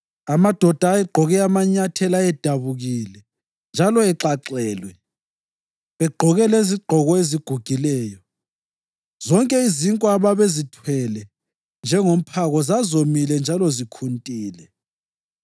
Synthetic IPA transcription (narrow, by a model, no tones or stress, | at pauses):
amad̥ʱɔd̥ʱaːɛɡ͡ǃʱɔɣɛamaɲatʰɛlaɛd̥ʱaβuɣilɛ | nd͡ʒʱalɔɛǁaǁɛːlwɛ | βɛɡ͡ǃʱɔɣɛleziɡ͡ǃʱɔɣɔeziɡ̥ʱuɡ̥ʱilɛːjɔ | z̥ɔŋkʼɛiziŋkʼwaβaβezitʰwɛlɛ | nd͡ʒʱɛŋom̩pʰaɣɔzazomilɛnd͡ʒʱalɔzikʰuntʼiːlɛ